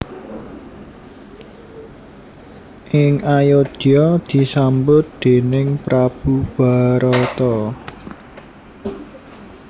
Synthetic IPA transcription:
ʔɪŋajod̥ɔd̪̥i̤sambʊt̪̚d̪̥e̤nɪŋpɾab̥ub̥a̤ɾɔt̪ɔ

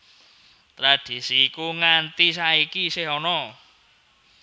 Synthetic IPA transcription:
t̪ɾad̥i̤sikuŋant̪is̬aikisɪhɔnɔ

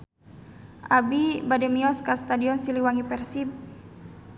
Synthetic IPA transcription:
ʔabibadɛmiɔskast̪adiɔnsiliwaŋipɛrsip̚

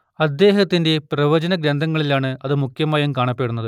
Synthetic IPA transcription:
ɐd̪ːe̞ːɦɐt̪ːinde̞prɐʋɐd͡ʑɐnɐɡɾend̪ʱɐŋːɐɭilaːɳɨɐðɨmukʰjɐmaːjɐmkaːɳɐpːe̞ːɽunːɐðɨ

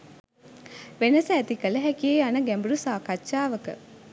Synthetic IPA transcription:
ʋenɐsɐæt̪ikɐlɐɦɛkijeanɐɡɛmbuɾusaːkɐt͡ʃːaːʋəkə̰

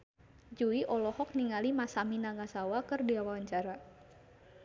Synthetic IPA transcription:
d͡ʒuiʔɔlɔhɔk̚niŋalimasaminaŋasawakɨrdiawawaɲt͡ʃaɾa

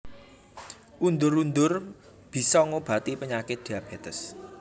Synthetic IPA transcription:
ʔund̪ʊɾund̪ʊr | b̥i̤sɔŋob̥a̤t̪ipəɲakɪt̪̚d̪̥iab̥ɛt̪əs

